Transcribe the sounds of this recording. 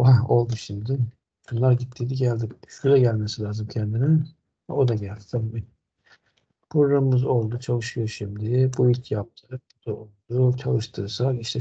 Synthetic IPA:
ao̞lˠd̪uʃimd̪ɪ | bunlˠaɾɟit̪ʰːid̪iɟælʲd̪imʃud̪ɛɟælʲmesilʲaːzɯmcʰɛnd̪inɪ | ɛ̰o̞d̪aɟælʲd̪i̥t̪ʰabimi | pʰɾoɾamɯmɯzo̞lˠd̪ut͡ʃʰalˠɯʃɯjoɾʃimd̪ɪbuicʰjap̚t̪ʰɯbud̪̥aolˠd̪ut͡ʃʰalˠɯʃt̪ʰɯːsak̪iʃt̪ʰɛ

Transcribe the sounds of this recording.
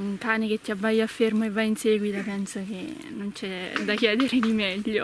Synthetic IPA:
uŋkaːneket̪ːiabːajafːermoevːainsɛːɡwit̪apɛnsokenːont͡ʃɛd̪akjɛːd̪eɾed̪imɛʎːo

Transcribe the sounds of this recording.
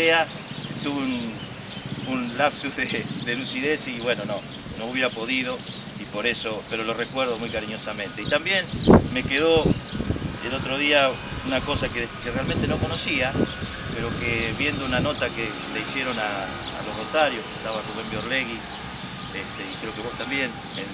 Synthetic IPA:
ea | t̪uβeun | unlapsuzðeðe̞lusiðesiβwe̞no̞no̞ | nouβjeɾapo̞ðiðo | ipo̞ɾe̞so̞peɾolo̞rekwe̞ɾðo̞mujkaɾiɲo̞samẽnt̪e̞it̪ambje̞nme̞keðo̞ | elo̞t̪ɾo̞ð̞ia | unako̞sakekerealment̪eno̞ko̞no̞sia | peɾo̞keβje̞nd̪ounano̞t̪ake | laisje̞ɾo̞na̰ː | lo̞rot̪aɾjohket̪aβasumembeoɾleɣi | est̪eikɾeokeβo̞ht̪ambje̞n | e

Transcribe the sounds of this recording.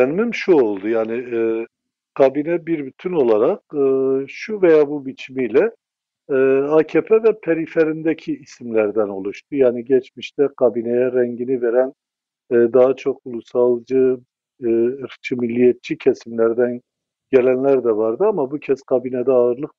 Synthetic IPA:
ɛnmimʃuo̞lˠd̪ujaːni | ɡ̥ɑbinɛbiɾbyt̪ʰyno̞lˠaɾaq̚ɯːʃuvejaːbubit͡ʃʰimilʲɛ | acʰepʰɛvɛpʰeɾifeɾind̪ɛcʰiːsimlʲæɾd̪æno̞lˠuʃt̪ʰujaːniɟɛt͡ʃmiʃt̪ʰɛɡ̥ʰabinejɛɾɛɲɟiniveɾænː | d̪aɦat͡ʃʰo̞kulˠusalˠd͡ʒɯ | ɾt͡ʃʰɯmilʲːijɛt̪̚t͡ʃʰicʰɛsimlʲæɾd̪æn | ɟ̥elʲænlʲæɾd̪ɛvaɾd̪ɯamabucʰɛzɡʰabinɛd̪ɛaɯɾlˠɯq̚

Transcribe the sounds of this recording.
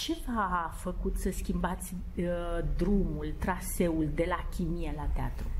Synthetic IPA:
t͡ʃe̞vafəkut̪səskʲimbat̪sʲ | d̪ɾumult̪ɾase̞uld̪e̞lakʲimijelat̪ea̰t̪ɾu

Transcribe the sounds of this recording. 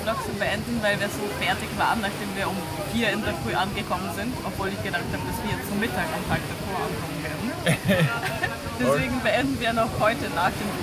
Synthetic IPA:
nɔksubəʔɛndn̩vaɪlviːɐzoːfɛɐtɪçv̥a̰ːʁənːaχd̥eːmviːɐʊm | ɡ̥iːɐɪndɐfʁ̥yːʔanɡəkʰɔmənzɪntʔɔpv̥oːlɪçɡ̥ədaxk̚thaːbəd̥asv̥iːɐjɛt͡stt͡sumɪtʰaːkʔʊmtʰaːk̚d̥afoːɐʔankʰɔmənveːɐdn̩ | d̥ɛsv̥eːɡŋ̩bəʔɛndn̩viːɐnɔxhɔʏtənaːxd̥eːm

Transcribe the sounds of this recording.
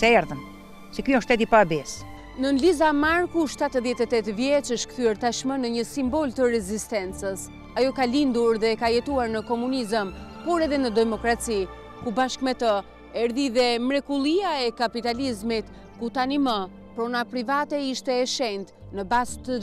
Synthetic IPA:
sɛɛɾðəm | sɛkiɔ̃ʃt̪ɛt̪ipabɛs | nənlizamaɾkuʃt̪at̪əðjɛt̪ɛt̪ɛt̪vjɛt͡ʃəʃkθyɛɾt̪aʃmənəɲəsimbɔlt̪əɾɛzist̪ɛnt͡səs | ajɔkalind̪uɾðɛkajɛt̪uaɾnəkɔmunizəmpɔɾɛðɛnəd̪ɛmɔkɾat͡si | kubaʃkmɛt̪ə | ɛɾðiðɛmɾɛkulˠiaɛkapit̪alizmit̪ | kut̪animə | pɾɔnapɾivat̪ɛiʃt̪ɛːʃɛnt̪ | nəbast̪ə

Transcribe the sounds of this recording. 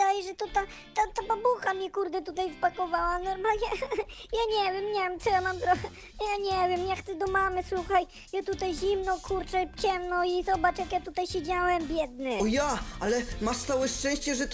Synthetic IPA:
d̪ajɛʐɛt̪ɔt̪a | t̪at̪ababuxamʲɛkuɾd̪ɛt̪ut̪ajvpakɔvawanɔɾmalɲɛjaɲɛvʲjɛmɲɛvʲɛmt̪sɔjamamt̪ɾɔxɛ | jaɲɛvʲjɛmjakxt̪ɛd̪ɔmamɘswuxaj | jat̪ut̪ajʑimnɔkʰuɾt͡ʂɛt͡ɕɛmnɔizɔbat͡ʂjakjat̪ut̪ajɕɛd͡ʑawɛmbʲjɛd̪nɘɔjaalɛmaʂt̪sawɛʂt͡ʂɛ̃w̃ɕt͡ɕɛʐɛt̪

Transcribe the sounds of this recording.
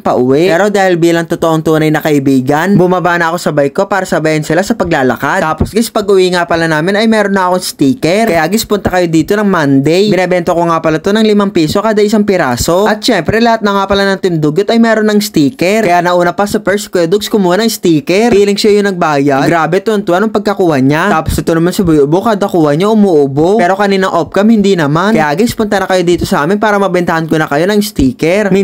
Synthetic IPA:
ŋpɐʔʊwɛʔpɛːɾo̞d̪aːhɪlbiːlɐŋt̪ot̪oʔoŋt̪uːnɐjnɐkɐʔɪbiːɡɐnbʊmɐbanɐʔɐko̞sɐbɐjko̞paːɾɐsɐbajɐnsɪlasɐpɐɡlaːlɐ̰kad̪aːposɡɪspɐɡʔʊʔiːŋapɐlanaːmɪnɐjmɛːɾonːɐʔɐkoŋst̪iːkɛɾkɐjaɡɪspʊnt̪ɐkɐjo̞d̪iːt̪o̞nɐŋmand̪ɛjɪnɐbɛnt̪okoŋaːpɐlɐt̪onɐŋlɪmaŋpiːso̞kaːd̪ɐʔɪsaŋpɪɾaːso̞ʔɐt̪ʃɛmpɾɛlɐhat̪̚nɐŋaːpɐlanɐnt̪ɪnd̪ʊɡot̪ɐjmɛːɾonɐŋst̪iːkɛɾkɐjanɐʔuːnɐpɐsɐpɛɹst̪̚kɛd̪ok̚skʊmuːhanɐŋst̪iːkɛɾiːlɪŋsajʊŋnɐɡ̚baːjɐd̪ɡɾaːbɛt̪ʊɐnt̪ʊʔɐnoŋpɐɡ̚kɐkuːhɐɲat̪aːposɐt̪onɐmansɐbʊjʔʊbokaːd̪ɐkuːhɐɲaʔʊmuːʔʊboɛːɾo̞kɐniːnɐŋʔop̚kɐmhɪnd̪inɐmanɐjaːɡɪspʊnt̪ɐnɐkɐjo̞d̪iːt̪o̞sɐʔaːmɪnpaːɾɐmɐbɛnt̪ɐhɐnkonɐkɐjo̞nɐŋst̪iːkɛɾmɐ

